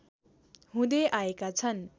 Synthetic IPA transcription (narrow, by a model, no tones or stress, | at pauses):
ɦũd̪eʔaekat͡sʰʌn